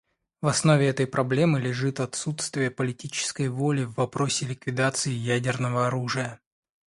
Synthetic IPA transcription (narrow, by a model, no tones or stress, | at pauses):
vɐsno̞vʲɪɛt̪əjpɾʔɐblʲe̞mɨlʲɪʐɨt̪ɐt̪sut̪st̪vʲɪjəpəlʲɪtʲit͡ɕɪ̥skəjvo̞lʲɪvːɐpɾo̞sʲɪlʲɪkvʲɪd̪at̪sɨɪjædʲɪrnəvəɐɾuʐɨjə